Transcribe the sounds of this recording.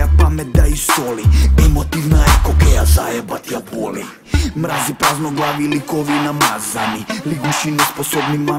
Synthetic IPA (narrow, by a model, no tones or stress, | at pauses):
apamɛt̪̚d̪aist̪ɔliɛmɔt̪ivnaɛkɔkɛjazajɛbat̪japɔlḭ | mɾazipɾaznɔɡlˠaʋilikɔvinamazaniliɡuʃinɔspɔsɔbnima